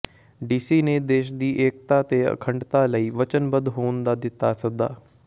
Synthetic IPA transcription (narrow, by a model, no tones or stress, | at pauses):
ɖiːsiːneːd̪eːʃd̪iːʔeːk̚t̪aːt̪eːə̰kʰəɳɖt̪aːləiːʋət͡ʃənbəd̪ɦoːnd̪aːd̪ɪt̪ːaːsək̚d̪a̰ː